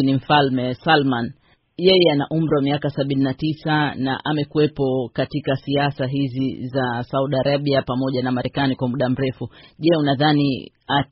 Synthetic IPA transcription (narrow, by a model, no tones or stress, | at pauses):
nim̩falmɛsalman | jɛjɛanaʔum̩ɾiwamiakasaɓininatisana̰ʔamɛkuwɛpɔkatikasiasaɦizizasauɗiaɾaɓiapamɔʄanamaɾɛkanikwamuɗam̩ɾɛfuʄɛunaðanḭ | a